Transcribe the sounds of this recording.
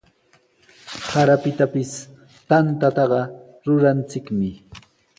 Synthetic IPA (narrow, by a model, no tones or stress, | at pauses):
haɾapɪt̪apɪs | t̪ant̪at̪ɑɢɑ | ɾʊɾant͡sɪkmɪ